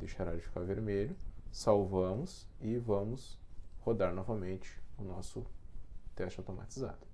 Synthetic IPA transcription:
d̪ejʃaɾad͡ʒɪfi̥kaɾveɾmeʎʊsawvɐ̃mʊsɪvɐ̃mʊshod̪aɾnɔvɐmẽnt͡ʃɪ̥ʊnɔsʊt̪ɛst͡ʃawt̪oma̰t͡ʃiza̰d̪ʊ

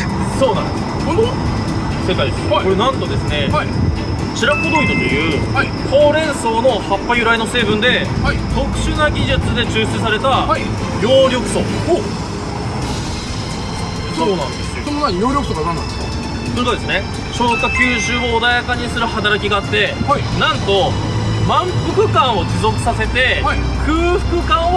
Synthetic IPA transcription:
so̞ːnã̰nd̪e | o | se̞kai | nãnt̪o̞d̪e̞sɨne̞ai | t͡ɕiɾakod̪oːt̪ɨt̪ːo̞jɯ̟ːaikʰo̞ːɾẽ̞ɰ̃so̞ːno̞hapːajɯ̟ɾaino̞se̞ːbɯ̃nd̪e̞ | it̪o̞kɯ̟̥ɕɨnaɡʲiʑɨt͡sɨd̪e̞t͡ɕɨːɕɨs̬aɾe̞t̪aai | joːɾʲo̞kɯ̟̥so̞̰o | soːnãnd̪essonomajoːɾʲokɯ̟soɡanãnːã̰nd̪eska̰ | soikot̪esɨne̞ | ɕoːkakʲɯːʑɨːoːd̪ajakaɲ̟isɨɾɯ̟hat̪aɾakʲiɡaːt̪ːe̞anãnt̪o̞ | mãmpɯ̟kɯ̟kãɰ̃o̞d͡ʑizo̞kɯ̟̥sase̞t̪e̞ai | kʰɯ̟ːɸɯ̟̥kɯ̟kãɰ̃

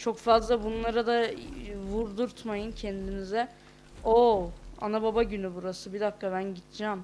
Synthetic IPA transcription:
t͡ʃʰo̞kfazlˠabunlˠaɾad̪avuɾd̪uɾt̪majɯncʰɛnd̪inizɛ | oa̰nababaɟynybuɾasɯbid̪akːabænɟit̪ʰd͡ʒaːm

